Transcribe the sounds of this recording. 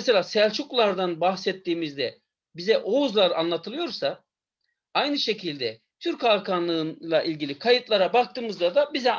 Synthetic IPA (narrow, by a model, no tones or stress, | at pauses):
selʲaːsælʲt͡ʃʰuklˠaɾd̪anbahsɛt̪ʰːiːmizd̪ɛ | bizɛʔouzlˠaɾa̰nlˠat̪ʰɯlˠɯjo̞ɾsa | ajnɯʃe̞cʰilʲd̪ɛ | t̪ʰyɾcaɾkʰanlˠɯnlˠaʔilʲɟilʲikʰajɯt̪lˠaɾabak̚t̪ɯːmɯzd̪ad̪abizɛ